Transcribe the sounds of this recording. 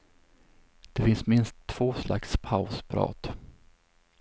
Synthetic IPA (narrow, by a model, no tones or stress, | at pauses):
d̪̥ɛfɪnsmɪnst̪ʰːv̥oːsla̰kspʰaʊspʰɾɑ̰ːt̪